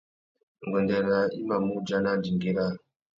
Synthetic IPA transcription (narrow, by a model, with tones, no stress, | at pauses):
ŋɡɔ˨nde˨ɾa˨i˦ma˨mu˦d͡ʒa˦na˦˨ndi˨ŋɡi˦ɾa˦